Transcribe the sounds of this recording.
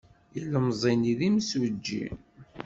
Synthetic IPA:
ilːəmzˤiniðimswəd͡ʒːḭ

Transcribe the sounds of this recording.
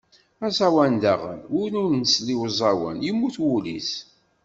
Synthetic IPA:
æsˤɑwænd̪æʁə̰nʊnʊɾnəsliwzˤɑwə̰njəmːuθwulḭs

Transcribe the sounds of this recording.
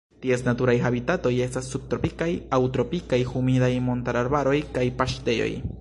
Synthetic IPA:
t̪iesnat̪uɾajxaβit̪at̪o̞je̞st̪asːub̚t̪ɾopikajawt̪ɾo̞pikajxumiðajmo̞nt̪aɾaɾβaɾo̞jkajpaʃt̪ejo̰j

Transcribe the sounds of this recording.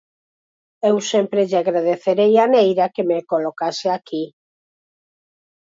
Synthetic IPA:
ewsempɾeʎaɣɾaðeθeɾejanejɾakemekolokaseaki

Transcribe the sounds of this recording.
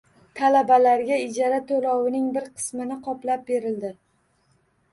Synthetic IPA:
t̪ʰalabalaɾɡʲaɪd͡ʒaɾat̪ʰolɒwɪnɪŋbɪɾqʰɨ̥smɪnɪqʰɒplap̚be̞ɾɪld̪ɪ

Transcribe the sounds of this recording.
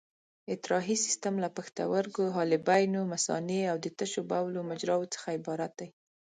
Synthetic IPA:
ɪt̪ɾɑɦisɪ̥st̪amlapaxt̪a̰waɾɡoɦɑlɪbajnomasɑ̰neawd̪ət̪əʃobawlomad͡ʒɾɑwot͡sə̥xaɪbɑɾat̪̚d̪aj

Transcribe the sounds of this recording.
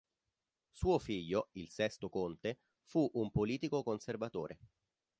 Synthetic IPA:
suːofiʎːoilsɛst̪okont̪e | fuʔumpoliːt̪ikokonservat̪o̰ːɾʔe

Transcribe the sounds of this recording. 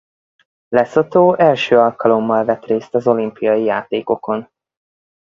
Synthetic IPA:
lɛso̞t̪oːʔɛlʃøːɒlkɒlo̞mːɒlvɛt̪reːst̪ɒzo̞limpijɒjijaːt̪eːko̞kʰo̞n

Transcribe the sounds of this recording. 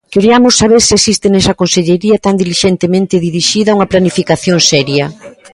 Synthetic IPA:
keɾiamʊsːaβeɾsiesist̪ɪnɛsɐkonseʎeɾiɐt̪and̪iliʃent̪emẽnt̪ɪðiɾiʃiðɐuŋɐplanifikaθjoŋsɛɾjɐ

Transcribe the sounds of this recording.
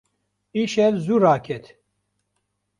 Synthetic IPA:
iʃɛɾzuɾaːkʰɛt̪ʰ

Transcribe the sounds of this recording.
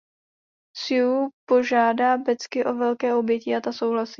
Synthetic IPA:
sjupo̞ʒaːdaːbɛt͡skɪʔo̞vɛlkɛːʔo̞bjɛciːat̪aso̞wɦlasi

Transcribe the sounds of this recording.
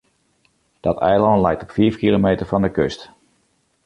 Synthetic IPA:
d̥ɔtɛ̰jlɑnlɛjk̚tɔpfiəfkilomeːtərvɑndəkøst

